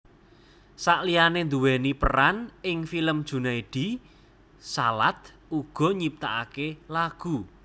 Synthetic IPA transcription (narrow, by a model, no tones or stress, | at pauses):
saʔlijanend̪uwɛnipə̰ɾanɪŋfiləmd̥ʒ̥ṳnaiɖ̥i̤ | salat̪ | uɡ̥ɔ̤ɲip̚t̪aʔakelaɡ̥u